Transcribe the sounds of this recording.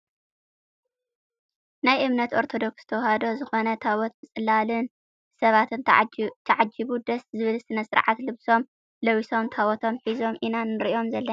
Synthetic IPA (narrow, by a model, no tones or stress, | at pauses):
najʔɨβnɐt̪ʔo̞ɾt̪ʰo̞d̪o̞kst̪ʰɐwhad̪o̞zɨxo̞nɐt̪ʰawɔt̪mɨt͡sʼɨlːalɨn | sɐβat̪ʰɨnt̪ʰɐʕad͡ʒiβud̪ɐszɨβɨlsɨnɐsɨɾʕat̪lɨβso̞m | lɐwiso̞mt̪ʰawɔt̪ʰo̞mħizo̞mʔinanːɨɾʔjo̞mzɐlːɐ